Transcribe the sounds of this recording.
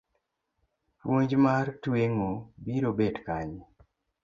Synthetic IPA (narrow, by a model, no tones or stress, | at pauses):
woɲd͡ʒmaɾtweŋobiɾobedkaɲ